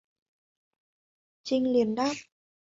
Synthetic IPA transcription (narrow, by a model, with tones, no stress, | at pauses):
t͡ɕi˧ŋli˨˩ənɗaː˦˥p̚